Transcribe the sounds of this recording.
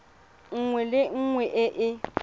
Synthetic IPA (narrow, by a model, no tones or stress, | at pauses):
ŋ̩ŋwɛlɪŋ̩ŋwɛʔɪʔɪ